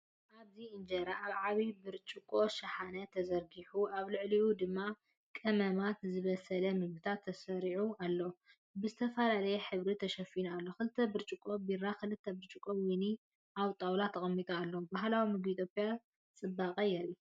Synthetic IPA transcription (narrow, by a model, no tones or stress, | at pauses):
ʔaβziɨnd͡ʒɐɾaʔaβʕaβibɨɾt͡ʃʼɨkʼo̞ʃɐħanɐt̪ʰɐzɐɾɡiħuʔaβlɨʕliud̪ɨmːa | kʼɐmɐmat̪zɨβɐsɐlɐmɨβɨt̪ʰat̪ʰːɐsɐɾiʕualːo | bɨzɨt̪ʰɐfɐlalɐjɛħɨβɾit̪ʰɐʃɐfinalːo̞xɨlɨt̪ʰːɐbɨɾt͡ʃʼɨkʼːo̞biɾakɨlɨt̪ʰːɐbɨɾt͡ʃʼɨkʼowini | ʔawt̪ʼawlat̪ʰːɐxʼɐmːit̪ʼaːlːobaɦlawimɨɡit̪ʰjopʼja | t͡sʼɨbːakʼɐjɛɾi